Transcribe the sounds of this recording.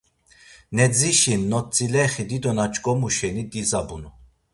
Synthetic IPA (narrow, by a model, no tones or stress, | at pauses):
nɛd͡ziʃinːɔt͡sʼilɛχid̪id̪ɔnat͡ʃʼkʼɔmuʃɛnid̪izabunu